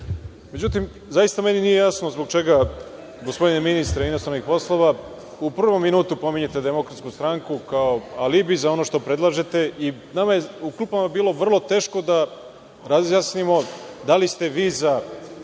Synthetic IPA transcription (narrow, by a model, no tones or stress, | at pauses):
me̞d͡ʑut̪im | zajist̪ame̞ninijejasnozbo̞ɡ̚t͡ʃe̞ɡa | ɡo̞spo̞d̪ineminist̪ɾainost̪ɾanixpo̞slˠo̞ʋa | upr̩ʋomːinuːt̪upo̞miɲe̞t̪e̞d̪e̞mo̞kɾat̪skust̪ɾaŋkukaoalibizao̞no̞ʃt̪o̞pɾe̞d̪lˠaːʒet̪e̞ʔi | namaje̞uklˠuːpamabiːlˠo̞ʋr̩lˠo̞t̪e̞ːʃko̞d̪a | ɾazjaːsnimo̞d̪alist̪e̞ʋiːza